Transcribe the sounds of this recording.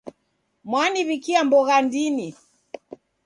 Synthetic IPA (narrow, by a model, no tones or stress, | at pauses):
mwaniβikiambɔɣandini